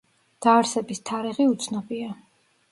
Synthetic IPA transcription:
d̪̥aːɾsɛbist̪ʰaɾiʁiut̪sʰnɔbia

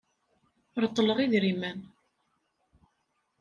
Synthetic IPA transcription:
ɾt̪ˤːələʁiðɾimæn

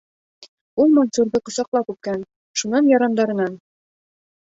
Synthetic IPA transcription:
ulˠmanʲsʲuɾdɤqŏsɑqlˠɑpkʉp̚kæn | ʃunɑnjɑɾɑnd̪ɑɾɤ̆nɑn

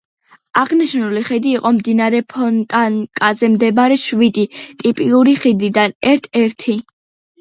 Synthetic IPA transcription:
aʁniʃnuliχɛd̪iːqʼɔmd̪inaɾɛpʰɔnkʼankʼazɛmd̪ɛbaɾɛʃvid̪it̪ʼipʼiuɾiχid̪id̪anɛɾt̪ʰɛɾt̪ʰi

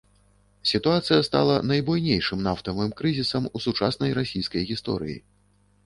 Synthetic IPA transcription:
sʲit̪uat̪sɨjɐst̪a̰lˠɐnɐjbujnʲejʂɨmnaft̪ɐvɨmkɾɨzʲisɐmusut͡ʂasnɐjɾasʲijskɐjɣʲist̪ɔ̰ɾɨ̰jḭ

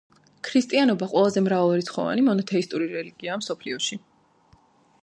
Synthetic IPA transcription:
kʰɾist̪ʼianɔbaqʼwɛlˠazɛmɾavalˠaɾit̪sχɔ̰va̰nimɔnɔt̪ʰɛist̪ʼuɾiɾɛliɡ̥iamsɔpʰliɔʃi

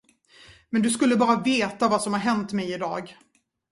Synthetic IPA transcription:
mɛnd̪ɵskɵlːəbɑːɾaveːt̪avasɔmhaɾɦɛnt̪mɛjɪd̪ɑ̰ːɡ

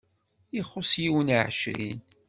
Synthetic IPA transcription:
iχʊsjiwənʕʃɾḭn

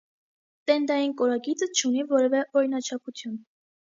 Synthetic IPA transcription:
t̪ɛnd̪ɑjinkɔɾɑɡit͡sət͡ʃʰunivɔɾɛvɛʔɔɾinɑt͡ʃʰɑpʰut͡s̪ʰjun

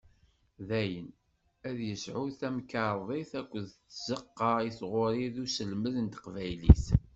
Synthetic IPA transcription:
ðæjən | æðjəsʕuθæmkɑɾˤðˤeθækʷːəðt͡sːzəqːɑiθʁoɾiðusəlməðənt̪qvæjlḭθ

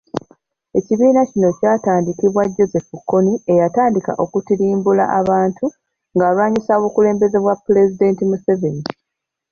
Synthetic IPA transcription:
e̞ciβiːnacino̞caːtaːndikiβwaɟːo̞ze̞fukːo̞nie̞jataːndika̰ʔo̞kutiɾiːmbula̰ʔaβaːntʰu | ŋɡaːlwaːɲisaβukule̞ːmbe̞ze̞βwapːule̞zide̞ːntimuse̞ve̞ni

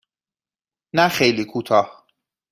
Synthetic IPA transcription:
næxejliːkʰuːt̪ʰɒːh

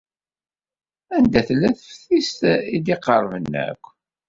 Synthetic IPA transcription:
ænd̪æθlːæθəfθist̪id̪iqəɾˤvənːæ̰kʷː

